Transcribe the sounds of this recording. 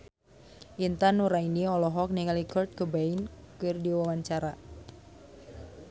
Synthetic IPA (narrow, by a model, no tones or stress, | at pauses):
ʔint̪anuɾainiɔlɔɦɔk̚niŋalikɔrt̪̚kəbainkɨrdiwawaɲt͡ʃaɾa